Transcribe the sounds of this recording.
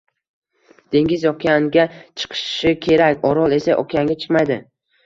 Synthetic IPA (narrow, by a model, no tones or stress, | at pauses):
d̪̥e̞ŋʲɪzjɒqʲanɡʲat͡ʃʰɨ̥qʰɨ̥ʃɪkʲʰe̞ɾakʲɒɾɒlˠe̞saʔɒ̰kʰʲaŋɡʲat͡ʃʰɨ̥qmajd̪ɪ